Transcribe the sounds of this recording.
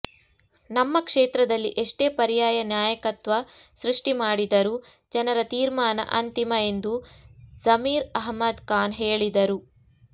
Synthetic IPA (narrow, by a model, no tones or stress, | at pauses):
nɐmːɐkʂeːt̪ɾɐd̪ɐlːiʔeʂʈe̞ːpɐɾijaːjɐnjaːjɐkɐt̪ʋɐsɾuʂʈimaːɽid̪ɐɾud͡ʒɐnɐɾɐt̪iːɾmaːnɐ̰ʔɐnt̪imɐe̞nd̪uzɐmiːɾɐɦmɐd̪kaːnɦeːɭid̪ɐɾu